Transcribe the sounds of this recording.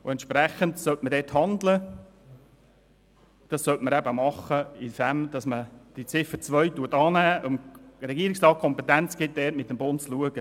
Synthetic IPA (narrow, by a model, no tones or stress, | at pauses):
ʊɛntʃprɛχəntsœltmədɛːthɑndlə | d̥ɑssœltməɾɛbəmɑχəifæmd̥ɑsməd̥it͡sɪfət͡sʋœʏtuətɑːnæːʔʊmrɛɡiəɾɪksrɑːt̚kʰɔmpɛt̪ænt͡sɡ̥ɪt̚dɛːtmɪtːəmbʊntt͡sluəɡ̥ə